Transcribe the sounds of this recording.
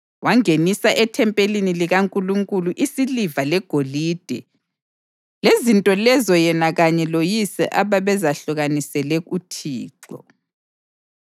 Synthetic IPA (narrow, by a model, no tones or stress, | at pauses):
waŋenisaʔɛtʰɛmpʼeliniliɣaŋkʼuluŋkʼuluʔisilivalɛɡ̥ʱoliːd̥ʱɛ | lezintʼɔlɛzɔjɛnaɣaɲɛlojisɛ̰ʔaβaβɛzaɬuɣanisɛlɛɣutʰiːǀɔ̰